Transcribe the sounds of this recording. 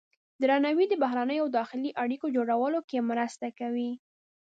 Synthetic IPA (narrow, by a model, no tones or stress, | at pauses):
d̪ɾɑnawid̪əbaɦɾanəjoawd̪ɑxɪliʔaɽikod͡ʒoɽawəlokemɾəst̪akawi